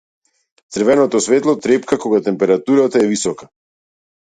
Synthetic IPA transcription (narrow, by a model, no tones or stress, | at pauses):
t̪sɾ̩vɛnɔt̪ɔsvɛt̪lˠɔt̪ɾɛpkakoɡat̪ɛmpɛɾat̪uɾat̪aɛvisɔka